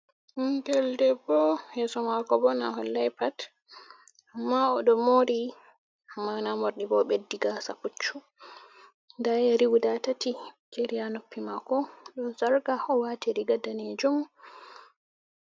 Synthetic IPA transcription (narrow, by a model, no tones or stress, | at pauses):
ndɛldɛbɔhɛsɔmakɔbɔna̰ɦɔlːajpat | ʔamːaɔɗɔmoɾi | manamoɾɗibɔɓedːiɡasaput͡ʃːu | ndajaɾiwudatatikeɾijanopːimakɔɗɔnsaɾɡaɔwatiɾiɡadanɛd͡ʒɔm